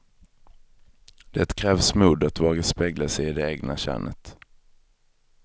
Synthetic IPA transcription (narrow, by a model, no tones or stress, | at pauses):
d̪̥ɛt̪kʰɾɛːvsmuːd̪at̪vɑːɡaspeːɡlasɛjɪd̪ɛeːɡna̰ɕæ̰ːɳʔə̰t̪